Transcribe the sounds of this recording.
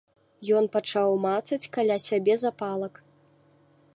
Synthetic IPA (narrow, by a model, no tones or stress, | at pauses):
jɔnpat͡ʂawmat̪sɐt͡sʲkalʲasʲabʲɛzapalˠɐk